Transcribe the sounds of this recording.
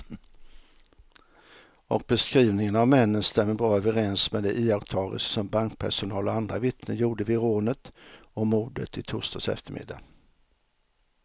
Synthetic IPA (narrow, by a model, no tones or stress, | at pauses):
ʔɔ̰k̚bɛskɾiːvnɪŋənavmɛnːənst̪ɛmːəbɑːɾaœvəɾɛnsmed̪ɛʔɪːakt̪ʰɑːɾə̰ssɔmbaŋkpʰæʂʊnɑːlɔand̪ɾavɪt̪nəjuːɖəvɪɾoːnət̪ɔmuːd̪ə̰t̪ɪt̪ʰʊːʂt̪ɑsɛ̰ft̪əɾmɪ̰d̪ːa̰